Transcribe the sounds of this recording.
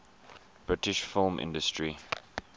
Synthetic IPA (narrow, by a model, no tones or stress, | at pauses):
b̥ɹɪtɪʃfɪlˠmʔɪ̰̃ndəstɹi